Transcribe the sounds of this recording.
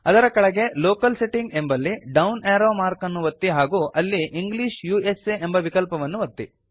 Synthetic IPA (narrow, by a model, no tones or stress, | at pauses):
ɐd̪ɐɾɐkɐɭɐɡe̞loːkɐlseʈiŋɡe̞mbɐlːiɖɐwneːɾoːmaːɾkɐnːuʋɐt̪ːiɦaːɡuːʔɐlːiʔiŋɡliːʂjuːeseembɐʋikɐlpɐʋɐnːuʋɐt̪ːi